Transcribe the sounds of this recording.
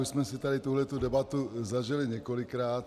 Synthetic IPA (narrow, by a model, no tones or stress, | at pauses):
uʃsmɛsɪt̪adɪt̪uɦlɛt̪udɛbat̪uzaʒɪlɪɲɛkolɪkɾaːt̪